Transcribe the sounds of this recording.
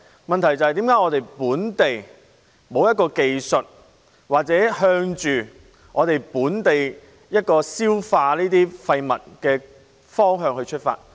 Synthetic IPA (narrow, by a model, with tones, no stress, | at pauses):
mɐ˨nt̪ʰɐ˨˩jt͡sɐ˨hjt̪i˨˥mkaː˨˥jŋɔː˨˧t̪e˨jpuː˨˥nt̪e˨j | mo˨˧wjɐ˥t̚kɔː˧ke˨jsɵ˨t̚ | waː˨k̚t͡sɛː˨˥hœː˧ŋt͡ʃyː˨ | ŋʔɔː˨˧t̪e˨jpuː˨˥nt̪e˨j | jɐ˥t̚kɔː˧siː˥wfaː˧niː˥t̪iː˥fɐ˧jmɐ̰˨˩t̚kɛː˧ | fɔː˥ŋɦœː˧ŋhɵ˧ɥt͡ʃʰɵ˥t̚fa̰ː˧t̚